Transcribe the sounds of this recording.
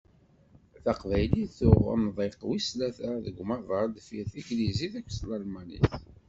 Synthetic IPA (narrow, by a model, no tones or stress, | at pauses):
θɑqvæjliθʊʁæ̰mðˤeqwislæθæðəɡʷmɑðˤɑɾd̪fiɾθiɡliziθækʷːslɑlmænḭθ